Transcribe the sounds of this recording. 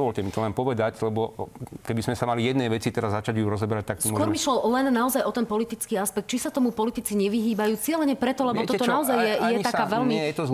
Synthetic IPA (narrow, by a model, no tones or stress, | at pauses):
ʋɔʎcɛmit̪ɔlɛnpɔʋɛd̪aclɛbɔkɛbizmɛsamalijɛd̪nɛjʋɛt͡sit̪ɛɾazːat͡ʃaɟjuɾɔzɔbɛɾac̚t̪aksiskɔkɔɾmiʃlɛllɛnːaɔzajʔɔt̪ɛnpɔlit̪it͡skiːaspɛk̚t̪̚t͡ʃisat̪ɔmupɔlit̪it͡siɲɛʋiɦiːbajuːt͡sɪɛlɛɲɛpɾɛt̪ɔlɛbɔt̪ɔt̪ɔnaɔzajjɛjɛakaːʋɛlmiɛt̪ɔ